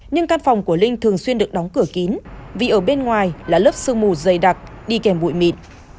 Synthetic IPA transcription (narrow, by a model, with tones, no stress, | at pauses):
ɲɨ˧ŋkaː˧nfɔ˨˩wŋ͡mku˧˩əlï˧ŋ̟t̪ʰɨ˨˩əŋswi˧ənɗɨ˨˩ək̚ɗɔ˨˦wŋ͡mkɨ˧˩əki˨˦nvi˨˩ʔəː˧˩ɓe˧nŋwaː˨˩jlaː˨˩ləː˦˥p̚sɨ˧əŋmu˧˩zə˨˩jɗa˨˩t̚ɗi˧kɛ˨˩mɓṵ˧˨jmḭ˧˩˨n